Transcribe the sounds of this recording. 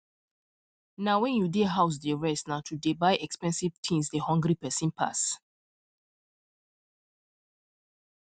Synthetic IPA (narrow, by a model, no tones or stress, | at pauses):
nawɛ̃njudeɦaʊs̬deɹɛsnatʰudebaɪʔɛkspɛ̃nsivtʰĩnsdehɔ̃ŋɡɾipɛsĩnpʰa̰s